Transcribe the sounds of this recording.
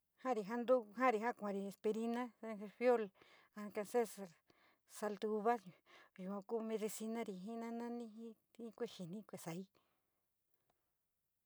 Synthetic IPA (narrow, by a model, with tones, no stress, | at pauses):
hã˦ɾi˨ɦa˦nd̪u˦ɦã˦ɾi˧ɦã˦kʷã˨ɾi˧e˨spe˧ɾi˦nã˦˧e˧fjo˦l | a˧ka˧se˦sa˨ɾ | sa˧lt̪u˧u˧βa˦ju˨ã˧ku˦mẽ˧ði˧si˧nã˦ɾi˨ɦĩ˦nã˦nã˦nĩ˦ɦĩ˦ | i˦kʷe˦ʃi˨nĩ˦kʷe˨sa˨i˦